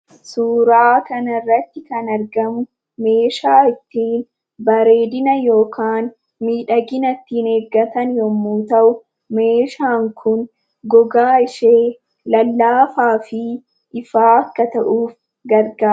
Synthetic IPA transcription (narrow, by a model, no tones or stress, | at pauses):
suːɾaːkɐnɐrːɐt̪ːɪkɐnɐɾɡɐmʊ | me̞ːʃaːɪt̪ːiːn | bɐɾe̞ːd̪ɪnɐjo̞ːkʰaːn | miːᶑɐɡɪnɐt̪ːiːneːɡɐt̪ɐnjɔmːuːt̪ɐʔʊ | me̞ːʃaːŋkʰʊn | ɡɔɡaːɪʃeː | lɐlːaːfaːfɪ | ʔɪfaːɐkːɐt̪ɐʔuːf | ɡɐɾɡaːɾ